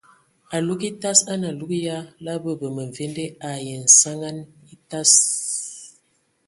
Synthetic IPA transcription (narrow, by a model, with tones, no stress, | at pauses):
a˨lu˦ki˦ta˦sa˦na˨lu˦kja˦la˦bə˦bə˨mə˨ɱ˨vɛ˦ndɛ˦a˨jɛ˨n̩˨sa˦ŋa˦ni˦ta˦s